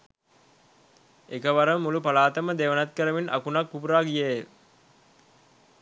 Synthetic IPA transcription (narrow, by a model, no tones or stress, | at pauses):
ekəʋaɾəmulupɐlaːt̪əməd̪eʋənat̪̚kəɾəminʔakunakpupuɾaːɡije